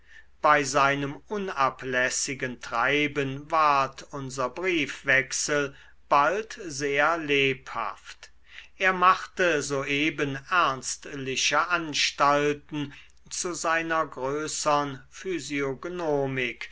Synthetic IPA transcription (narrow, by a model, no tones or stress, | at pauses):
b̥aɪzaɪnəmʔʊnaplɛsɪɡəntʁ̥aɪbənvaɐtʰʊnzɐbʁiːfv̥ɛksəl | b̥altzeːɐleːpha̰ft | ʔeːɐmaχtəzoːʔeːbənʔæɐnstlɪʃəʔanʃtaltn̩ | t͡suzaɪnɐɡʁøːsəənfyzioɡnoːmɪk